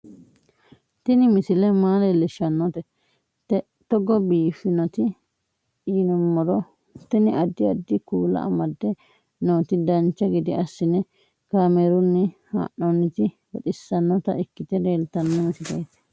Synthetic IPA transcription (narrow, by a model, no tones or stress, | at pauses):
t̪ɪnɪmɪsɪlɛmaːlɛlɛʃːɐnːɔt̪ɛ | t̪ɛ | t̪ɔɡɔbiːfɪnɐt̪ɪ | iːnɔmːɔɾɔ | t̪ɪnɪʔɐd̪ːɪɐd̪ːɪkuːlɐ̰ʔɐ̰mɐd̪ːɛ | noːt̪ɪd̪ɐnt͡ʃːɐɡɪd̪ɪɐsːɪnɛ | kaːmeɾʊnːɪha̰ːʔɔnːɪt̪ɪ | wɔᶑ̪ɪsːɐnːɔt̪ɐ̰ʔɪkːɪt̪ɛd̪eːlt̪ɐnːɔmɪsɪd̪ɐjt̪ɛ̥